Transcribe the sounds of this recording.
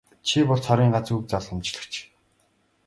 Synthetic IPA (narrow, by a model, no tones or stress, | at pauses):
t͡ɕʰipɔɮsʰɔɾʲiːŋɢat͡suk̚t͡saɮʁə̆mt͡ɕɮə̆kt͡ɕʰ